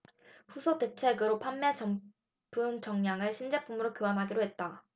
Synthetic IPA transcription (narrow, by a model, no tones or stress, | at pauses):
ɸusʰote̞t͡ɕʰe̞ɡɯɾopʰanːe̞t͡ɕʌm | pʰɯnt͡ɕʌŋɲaŋɯɭɕʰind͡ʑe̞p͈umɯɾokjoanɦaɡiɾoɦe̞t̚t͈a